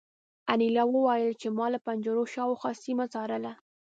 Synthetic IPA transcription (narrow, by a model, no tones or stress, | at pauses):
anilɑwəwajəlt͡ʃemɑlapand͡ʒəɾoʃɑwoxɑsimat͡sɑɾəla